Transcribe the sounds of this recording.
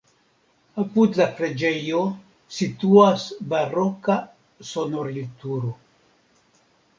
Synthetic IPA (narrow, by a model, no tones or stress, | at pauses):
aput̪lafɾed͡ʒejo | sit̪uasbaroka | sonoɾlit̪uɾo